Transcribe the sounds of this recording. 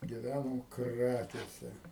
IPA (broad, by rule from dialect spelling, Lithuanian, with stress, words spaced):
ɡʲɪˈʋʲænɐm ˈkrɑːkʲeːsʲɛ